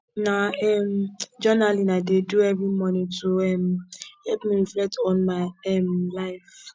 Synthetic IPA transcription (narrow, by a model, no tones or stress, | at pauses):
naɛm̩d͡ʒɔnalinadeduɛvɾimɔnitʰoɛm̩hɛpmiɾiflɛk̚tɔ̃nmaɪɛm̩laɪf